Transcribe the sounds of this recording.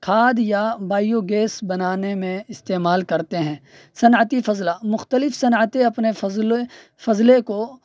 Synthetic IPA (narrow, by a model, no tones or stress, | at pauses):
kʰaːd̪jabaːijoɡeːsbɐnaːnemẽɪst̪eːmaːlkɐɾt̪eɦɛ̃ː | sɐnʕət̪ifɐzlamʊxt̪əlɪfsɐnət̪eɐpneɐzle | fɐzleko